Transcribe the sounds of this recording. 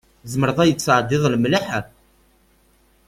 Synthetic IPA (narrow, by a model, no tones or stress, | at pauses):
zməɾðˤɑjət͡sːəʕd̪ɪðˤlmlaħa